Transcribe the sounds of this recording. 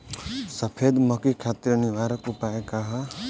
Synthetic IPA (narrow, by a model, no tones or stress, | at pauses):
sɐpʰeːd̪məkikʰaːt̪ɾniʋaːɾəkupaːekaɦa